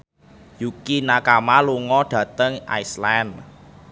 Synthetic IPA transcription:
jukinakamaluŋɔɖ̥ä̤t̪əŋʔa̰jslan

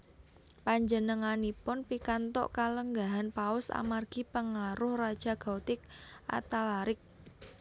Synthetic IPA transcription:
paɲd͡ʒənəŋanipʊnpikant̪ɔ̰ʔkaləŋɡaɦanpaʊsa̰marɡ̥ipəŋaɾʊhrad̥ʒ̥a̤ɡ̥at̪ɪkʔa̰t̪alaɾɪk̚

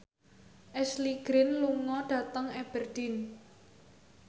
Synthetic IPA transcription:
ʔɛsliɡ̥ɾɪnluŋɔɖ̥ä̤t̪əŋɛb̥ərd̥ɪn

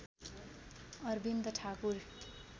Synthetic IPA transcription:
ʌrbind̪ʌʈʰakuɾ

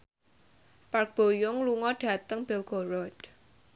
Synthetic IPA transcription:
park̚b̥o̤jʊŋluŋɔɖ̥ä̤t̪əŋb̥ɪlɡ̥ɔɾɔd̥

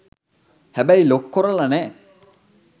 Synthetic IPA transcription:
hæbæjlokːoɾɐlɐnɛː

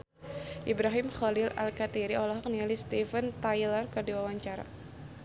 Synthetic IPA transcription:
ʔibɾaɦɪmχɔlɪla̰lkat̪iɾiʔɔlɔɦɔk̚nialist̪ifənt̪ajlərkədiwawaɲt͡ʃaɾa̰

